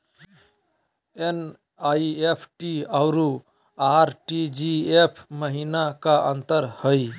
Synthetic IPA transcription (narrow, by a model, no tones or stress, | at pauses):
en | aiepʰʈiaʊɾu | aɾʈid͡ʒiepʰməɦinakaʔə̰nt̪əɾhəj